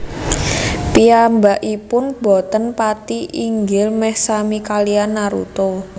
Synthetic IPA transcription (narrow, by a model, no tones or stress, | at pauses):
piambaʔipʊnb̥ɔ̤t̪ənpat̪iʔiŋɡɪlmɛhsamikalianːaɾṵt̪o